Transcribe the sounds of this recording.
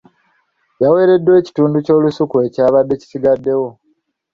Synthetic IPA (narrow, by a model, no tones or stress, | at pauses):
jawe̞ːɾe̞dːwe̞ːci̥tuːnduco̞ːlusukue̞caːβadːe̞ci̥siɡadːe̞wo̞